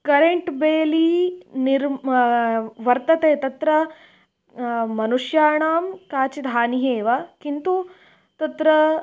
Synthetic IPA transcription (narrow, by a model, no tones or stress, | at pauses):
kɐɾeɳʈbeːliniɾ | ʋɐɾt̪ɐt̪eːt̪ɐt̪ɾɐ | mɐnuʂjaːɳaːmkaːt͡ʃid̪ʱaːniɦeːʋakint̪u | t̪ɐt̪ɾɐ